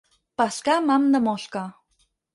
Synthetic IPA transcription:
paskamamnəmoɬka

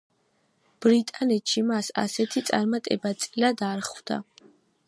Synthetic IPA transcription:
b̥ɾit̪ʼanɛt̪ʃimasa̰sɛt̪ʰit̪sʼa̰ɾmat̪ʼɛbat̪sʼilad̪aɾχvd̪a̰

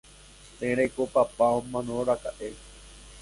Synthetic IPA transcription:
t̪ẽɾejkopapaõmãnõɾakaʔe

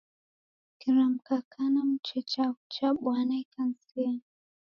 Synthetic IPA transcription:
kiɾam̩kakʰanam̩t͡ʃɛt͡ʃaut͡ʃaɓwanaikansilia

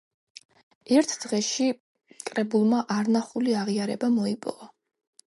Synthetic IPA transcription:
ɛɾt̪ʰd̪̥ʁɛʃi | kʼɾɛbulˠmaʔaɾnaχuliaʁiaɾɛbamɔipʼɔ̰ɔ

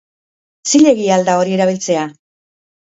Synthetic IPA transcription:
t͡siʎe̞ɣiald̪ao̞ɾie̞ɾaβ̞ilt͡se̞a

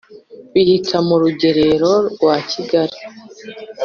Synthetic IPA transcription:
βihikʰamuɾuɟe̞ɾe̞ɾo̞ɾwaciɡaɾi

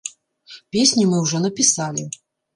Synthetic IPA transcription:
pʲesʲnʲimɨwʐɔnɐpʲisalʲi

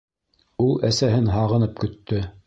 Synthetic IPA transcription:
ulˠæsæɦɘnɦɑʁɤ̆nɤp̚kɵ̆t̪ːɵ

